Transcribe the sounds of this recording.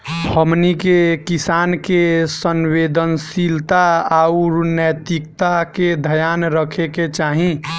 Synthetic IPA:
əmnikekisankesənwed̪ənsilt̪aaʊɾnət̪ikt̪aked̪ʱəjaːnɾəkʰeket͡ʃaːɦĩ

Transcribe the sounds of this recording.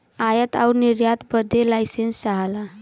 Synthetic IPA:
ajət̪a̰uniɾjat̪bəd̪ʱːelajsensaɦala

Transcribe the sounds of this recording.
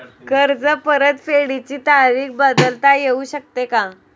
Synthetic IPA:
kəɾd͡zəpəɾət̪feɽit͡ɕiːt̪aɾiːk̚bəd̪əlt̪ajeuɕək̚t̪eka

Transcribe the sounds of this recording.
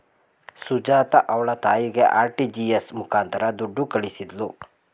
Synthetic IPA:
sud͡ʒaːt̪ɐʔɐʋɐɭɐt̪aːjiɡeʔaːɾʈid͡ʒiesmukʰaːnt̪ɐɾɐd̪uɖːukɐɭisid̪lu

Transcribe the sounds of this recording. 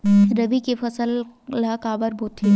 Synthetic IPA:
ɾɐbikepʰɐsəlːakaːbəɾboːt̪ʰːi

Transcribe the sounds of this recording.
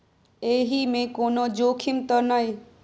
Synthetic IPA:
eːɦimẽkoːnod͡ʑoːkʰimt̪ənaɦi

